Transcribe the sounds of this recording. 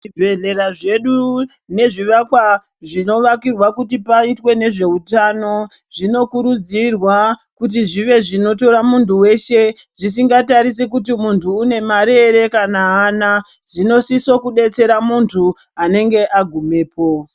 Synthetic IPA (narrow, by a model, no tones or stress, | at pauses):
ibʱeɮe̞ɾaʐe̞ɗu | ne̞ʐiʋakwa | ʐino̞ʋakirwakutipaitwe̞ne̞ʐe̞utano̞ʐino̞kuɾud͡zirwa | kut̬iʐiʋe̞ʐino̞to̞ɾamuntuwe̞ʃe̞ʐis̬iŋɡataɾis̬ekutimuntuːne̞maɾe̞ɾe̞kanaːna | ʐino̞siso̞kuɗe̞t͡se̞ɾamuntʰu | ane̞ŋɡe̞ʔaɡʱume̞ːpʰo̞